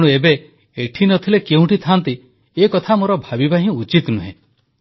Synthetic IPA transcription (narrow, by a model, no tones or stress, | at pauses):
ɽ̃uebe | eʈʰinɔt̪ʰilekeũʈʰit̪ʰant̪i | ekɔt̪ʰamoɾɔbʱabibaɦĩut͡ʃit̪nuɦḛ̃